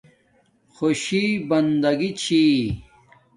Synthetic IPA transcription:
xoɕibɐnd̪ɐɡit͡ɕʰi

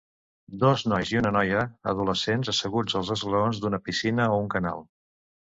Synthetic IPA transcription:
d̪ɔznɔjziunənɔjəə̰ð̞uləsenzəsəɣud͡zəlˠzəzɣləonzd̪unəpisinəouŋkəna̰lˠ

